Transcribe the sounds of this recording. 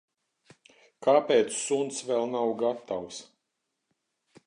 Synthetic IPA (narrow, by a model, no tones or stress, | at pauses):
kaːpɛːt̪sːunt̪svɛlˠnawɡat̪aws